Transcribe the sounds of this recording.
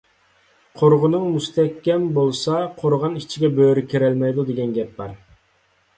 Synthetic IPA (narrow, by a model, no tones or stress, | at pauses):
qʰoɾʁʊnɨŋmust̪ʰɛkʲːɛmbolˠsɑqʰoɾʁɑnit͡ʃʰiɡʲɛbøɾykʲʰiɾɛlmɛjd̪ud̪eɡʲɛnɡʲɛp̚bɑɾ